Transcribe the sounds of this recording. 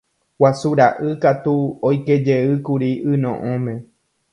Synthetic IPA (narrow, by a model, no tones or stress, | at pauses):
wasuɾaʔɨkat̪uojke̞d͡ʒe̞ɨkuɾiʔɨnõ̰ʔõmẽ